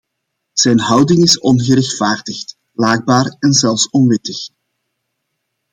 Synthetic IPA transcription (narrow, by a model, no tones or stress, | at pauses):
z̥ɛjnɦʌwdɪŋɪsɔnɣəɾɛxtfaːrdəxt | laːɡ̚baːɾɛnzɛlˠfsɔnʋɪtəx